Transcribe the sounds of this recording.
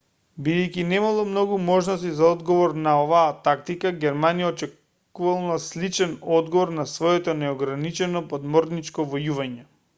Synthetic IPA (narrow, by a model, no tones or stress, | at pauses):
bid̪ɛjkinɛmalˠɔmnɔɡumɔʒnɔs̬t̪izaɔd̪ɡɔvɔɾnaɔvaːt̪ak̚t̪ikaɡʲɛɾmanijaɔt͡ʃɛ | kuvalˠnaslit͡ʃɛnɔd̪ɡɔvɔɾnasvɔjɛt̪ɔnɛɔɡɾanit͡ʃɛnɔpɔd̪mɔɾnit͡ʃkɔvɔjuvaɲɛ